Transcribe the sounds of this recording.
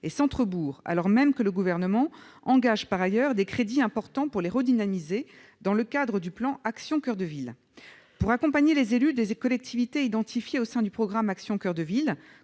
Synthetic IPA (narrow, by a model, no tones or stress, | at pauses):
esɑ̃t̪χəbuːʁa̰lɔʁmɛmkələɡuvɛʁnəmɑ̃ɑ̃ɡaʒpaʁajœʁd̪ekχed̪iɛ̃pɔʁt̪ɑ̃puʁleʁəd̪inamize | d̪ɑ̃ləkad̪ʁəd̪yplɑ̃aksjɔ̃kœʁd̪əvil | puʁakɔ̃paɲelezelyd̪ekɔlɛk̚t̪ʰivit̪eid̪ɑ̃t̪ifjeosɛ̃d̪ypχɔɡʁamaksjɔ̃kœʁd̪əvil